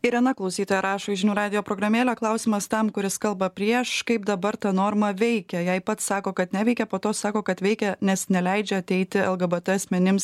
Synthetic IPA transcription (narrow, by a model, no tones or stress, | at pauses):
ɪɾɐnɐklˠɒʊsʲiːt̪oːjɛɾɑːʃoːɪʒʲɪnʲuːɾɑːd̪ʲɪjoːpɾoːɡɾɐmʲeːlʲoːklˠɐʊsʲɪmɐst̪ɐmkʊɾʲɪskɐlˠbɐpʲɾʲiɛʃkɐɪp̚d̪ɐbɐɾt̪ɐnoːɾmɐʋʲɛɪkʲɛjɛɪpɐt̪ssɑːkoːkɐt̪nʲɛʋʲɛɪkʲɛpoːt̪oːsɑːkoːkɐt̪ʋʲɛɪkʲɛnʲɛsnʲɛlʲɛɪd͡ʒʲɛɐt̪ʲɛɪt̪ʲɪɛlˠɡɐbɛt̪ɛɐsʲmʲɛnʲɪms